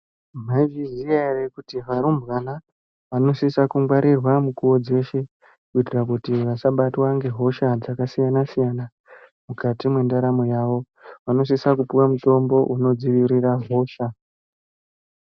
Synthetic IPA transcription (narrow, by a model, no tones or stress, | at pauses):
m̤aviziarekutiʋaɾumbwana | ʋano̞sisakuŋɡwaɾʔirwamukuwo̞d͡ze̞ʃe̞ | kuitirakutiʋasaɓatwaŋɡe̞ɦo̞ʃad͡zakasijanasijana | mukatimwe̞ndaɾamojaʋo̞ | ʋano̞s̬isakupuwamuto̞mbo̞ʔuno̞d͡ziʋiɾiraɦo̞ːʃa